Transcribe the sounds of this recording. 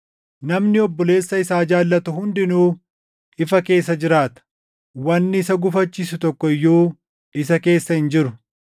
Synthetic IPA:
nɐmnɪɔbːɔle̞ːsːɐɪsaːd͡ʒaːlːɐt̪ʊhʊnd̪ɪnuː | ɪfɐke̞ːsːɐd͡ʒɪɾaːt̪ɐ̥ | wɐnːɪːsɐɡʊfɐt͡ʃːiːsʊt̪ɔkːɔɪjːoː | ɪsɐke̞ːsːɐhɪnd͡ʒɪɾʊ

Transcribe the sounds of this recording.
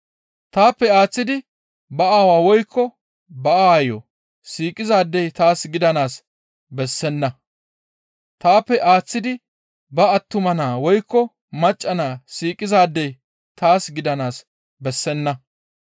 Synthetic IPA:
t̪aːpːɛaːt͡sːɪd̪ɪ | bɐaːwaːwɔjkʰːɔ | bɐaːjɔ | siːkʼːɪzaːd̪ːɛjt̪aːsɡɪd̪ɐnaːs | bɛsːɛnːɐ | t̪aːpːɛʔaːt͡sːɪd̪ɪ | bɐɐt̪ːʊmɐnaːwɔjkːɔ | mɐt͡ʃʼːɐnaːsiːkʼːɪzaːd̪ːɛj | t̪aːsɡɪd̪ɐnaːs | bɛsːɛnːɐ

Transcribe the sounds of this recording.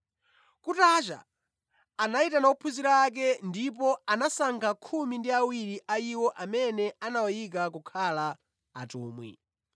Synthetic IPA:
kutat͡ʃa̰ː | naitanaupʰuziɾaːk̬ɛndip̬ɔanasaŋkʰakʰumindiawiɾiʔaiwɔʔamɛnɛanawɔjik̬ak̬ukʰala̰ː | tuːmwḭ

